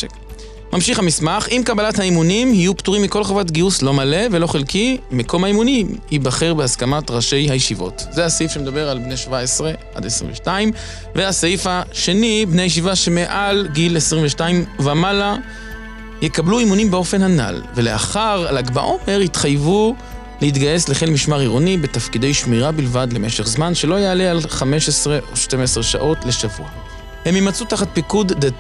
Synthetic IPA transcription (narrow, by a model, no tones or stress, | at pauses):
mʔamʃiχamismaχimkabalathaimunimhijupt̪uʁimːiko̞lχavat̬ɡiuslo̞male̞velo̞χelkimeko̞mhaimunihibaχeʁbeaskamatʁaʃe̞jhajeʃivo̞̰tzeasifʃemed̪abe̞ʁalbneʃvaesʁe̞ | a̰d̪esʁḭmveʃtaim | veasaifaʃe̞nibneajeʃ̬ivaʃe̞meʔalɡilesʁiɱveʃtaimvamala | jekabluimunimbeo̞fe̞nhana̰lve̞le̞a̰χaʁlaɡba̰ʔo̞me̞ʁit̪χajvu | lehit̪ɡaje̞sle̞χelmiʃmaʁiʁonibe̞tafkide̞jʃmiʁabilvad̪le̞me̞ʃeχzmanʃe̞lojealealχame̞ʃesʁe̞ʔo̞ʃte̞mesʁeʃa̰ʔo̞tle̞ʃavṵa | he̞mjemat͡sut̪aχat̪̚pikudde